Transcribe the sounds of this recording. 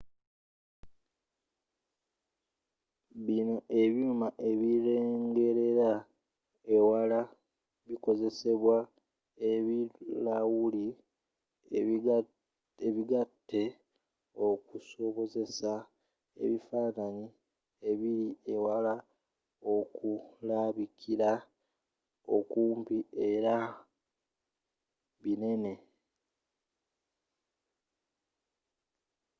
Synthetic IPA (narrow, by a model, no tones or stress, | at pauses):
βino̞ʔe̞βjumaʔe̞βiɾeːŋɡe̞ɾe̞ɾa | ewala | βiko̞ze̞se̞βwa | eβilawuli | eβiɡatːe̞ | okuso̞βo̞ze̞sa | e̞̰βifaːnaɲi | e̞βiɾie̞wala | okulaβikʰiɾa | okuːmpie̞ɾa | βine̞ne̞